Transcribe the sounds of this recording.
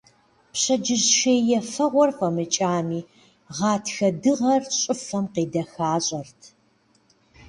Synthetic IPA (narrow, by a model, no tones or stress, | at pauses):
pɕɐd͡ʒɪʑʃeːjjɛfɐʁʷɔrfɐmɨt͡ʃʼaːmiː | ʁɑːtʰxɐdɨʁɐrɕʼɪfɐmqiːdɐxaːɕʼɐrtʰ